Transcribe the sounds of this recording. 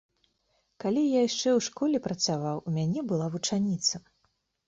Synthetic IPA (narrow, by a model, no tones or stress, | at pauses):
kalʲijajʂt͡ʂɛwʂkɔlʲɛpɾɐt̪savawumʲanʲɛbɨlˠavut͡ʂanʲit̪sɐ